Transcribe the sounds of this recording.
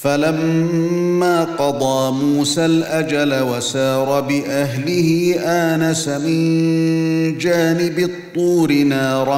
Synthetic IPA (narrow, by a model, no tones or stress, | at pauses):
falamː | aːqɑd̪ˤɑːmuːsaːlʔad͡ʒalawasɑːɾˤɑbɪʔaɦlɪhɪʔaːnasamɪn | d͡ʒaːnɪbɪt̪ˤːuːɾɪnɑːɾˤɑ